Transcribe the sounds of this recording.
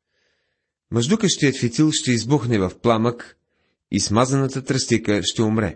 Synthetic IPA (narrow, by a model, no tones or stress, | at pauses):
mɐʒd̪ukəʃt̪ijət̪fit̪ilˠʃt̪ɛizbuxnɛvɐfplˠamək | ismazənət̪ət̪ɾɐst̪ikəʃt̪ɛʊmɾɛ̰